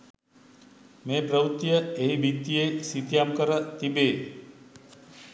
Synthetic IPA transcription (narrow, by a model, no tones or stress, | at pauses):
meːpɾəʋut̪ːijəeɦibit̪ːijesit̪ijamkəɾət̪ibeː